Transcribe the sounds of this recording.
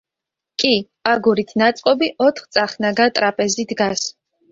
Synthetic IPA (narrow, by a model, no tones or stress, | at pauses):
kʼi | aɡuɾit̪ʰnat̪sʼqʼɔbiʔɔt̪ʰχt̪sʼaχnaɡat̪ʼɾapʼɛzid̪ɡas